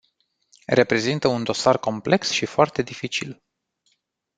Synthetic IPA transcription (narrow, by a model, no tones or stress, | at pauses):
re̞pɾe̞zint̪əund̪o̞sarko̞mple̞ksʃifoart̪e̞d̪ifit͡ʃḭl